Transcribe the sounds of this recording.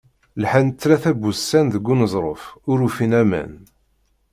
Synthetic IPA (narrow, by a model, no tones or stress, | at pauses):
lħant͡s̪ːlæθæbusːænðəɡːunəzˤɾˤofʊɾufinæmæ̰n